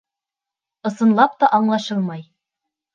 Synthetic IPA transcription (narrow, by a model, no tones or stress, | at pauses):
ɤ̆sɤ̆nlˠɑp̚t̪ɑʔɑɴlˠɑʃɤlˠmɑj